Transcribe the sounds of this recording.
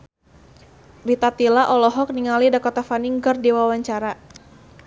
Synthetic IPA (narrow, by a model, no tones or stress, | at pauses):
bit̪at̪ilaʔɔlɔɦɔk̚niŋalidakɔt̪afaniŋkɨrdiwawaɲt͡ʃaɾa